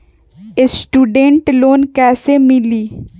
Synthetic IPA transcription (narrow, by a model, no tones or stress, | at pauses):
esʈuːɖẽɳʈloːnkɛːsemɪliː